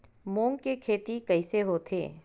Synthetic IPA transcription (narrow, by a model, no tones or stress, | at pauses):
mõːŋɡkekʰeːt̪ikɐɪseɦoːt̪ʰḛː